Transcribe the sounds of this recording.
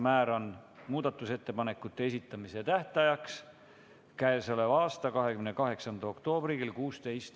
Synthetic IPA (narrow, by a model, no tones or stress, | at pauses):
mæːɾo̞nmuːd̪̥ɑt̪ːˑuse̞t̪ːe̞pɑne̞kːˑut̪ːe̞es̬ʲit̪ːˑɑmise̞t̪æht̪ɑjɑks | kæesolevɑːst̪ɑkɑɦe̞kymnekɑɦe̞ksɑnd̪ɑo̞kt̪o̞ːb̥riɡilkuːst̪e̞jst̪